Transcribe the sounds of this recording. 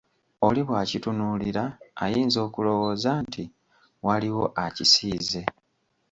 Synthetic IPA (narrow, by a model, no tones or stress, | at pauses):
oliβwaːcitunuːliɾaːjiːnzo̞ːkulo̞wo̞ːzaːntʰi | waliwo̞ʔacisiːze̞